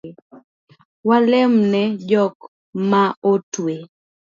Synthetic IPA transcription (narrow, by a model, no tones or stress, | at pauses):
walɛmnɛd͡ʒɔk | maotwe